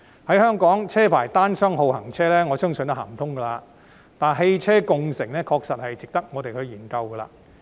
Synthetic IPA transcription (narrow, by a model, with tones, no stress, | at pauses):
hɐ˨˥jhœː˥ŋkɔː˨˥ŋt͡sʰɛː˥pʰa̰ː˨˩jt̪aː˥nsœː˥ŋɦo˨˧whɐ˨˩ŋt͡sʰɛː˥lɛː˥ŋɔː˨˧sœː˥ŋsɵ˨nt̪ʊ˥haː˨˩mt̪ʰʊ˥ŋɡɐː˧laː˧ | t̪aː˨˩nɦe˧jt͡sʰɛː˥kʊ˨ŋsɪ˨˩ŋnɛː˥kʰɔː˧k̚sɐ˨t̚hɐ˨jt͡sɪ˨k̚t̪ɐ˥k̚ŋɔː˨˧t̪e˨jkʰɵ˨˧ɥjiː˨˩nkɐ˧wɡɛː˧la̰ː˧